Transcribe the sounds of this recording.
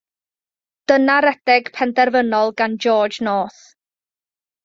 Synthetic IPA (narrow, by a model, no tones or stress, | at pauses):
d̥ənaɾɛd̥ɛɡ̥pʰɛndɛrvənɔlˠɡand͡ʒɔːd͡ʒnoːθ